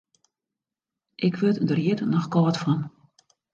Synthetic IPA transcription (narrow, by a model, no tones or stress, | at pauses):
ʔɪkʋøtdərjiətnɔxkɔːtfɔn